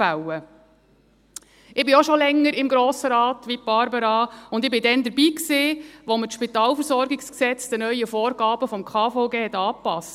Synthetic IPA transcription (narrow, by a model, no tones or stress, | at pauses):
awə | ɪbɪoʃɔlɛŋːəɾɪmɡɾoːsəɾɑːt̪ʋip̚b̥ɑɾbəɾɑʊnd̪ɪbɪdɛnd̪əɾbiːksɪːʋɔmətʃpitɑːlfəɾsɔɾɡɪksksɛt͡sd̥̪ənœʏəfɔːɾɡ̥ɑːb̥əfɔmkʰɑːfɔʊɡeːhɛtɑːpɑst